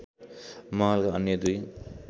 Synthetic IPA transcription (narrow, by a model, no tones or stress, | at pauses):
mʌɦʌlkaʌnjʌd̪uj